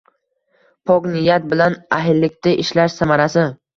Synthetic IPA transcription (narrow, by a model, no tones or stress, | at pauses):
pʰɒknɪjat̪̚bɪlanaɦɪlːɪk̚ʲt̪aʔɪʃlaʃsamaɾasɪ